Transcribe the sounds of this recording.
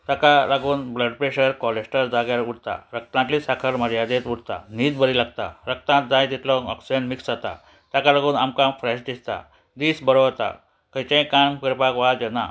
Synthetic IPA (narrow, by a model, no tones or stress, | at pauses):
t̪akalaɡuːnbləɖ̚pɾeɕəɾkɔlesʈəɾd͡zaɡjaɾuɽt̪a̰ɾək̚t̪ãt̪lisakʰəɾməɾjad̪et̪uɽt̪a̰niːd̪bəɾilaɡ̚t̪a̰ɾək̚t̪ãt̪̚d͡zãjt̪it̪lɔɔksid͡ʑənmiksd͡zat̪a̰ | t̪jakalaɡuːnamkãmfɾɛɕd̪ist̪a̰ | d̪iːsbəɾoʋt̪a̰ | kəjt͡ɕẽkanpiɾpakʋad͡ʑena̰